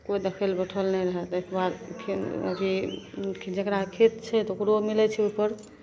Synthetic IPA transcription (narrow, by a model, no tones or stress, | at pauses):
kojd̪ekʰəlbəʈʰəlnɛɾəɦɛt̪ekbaɾkʰinə̰bʱikʰid͡ʒekɾakʰet̪t͡ʃʰɛt̪ɔokɾomilɛt͡ʃʰɛupəɾ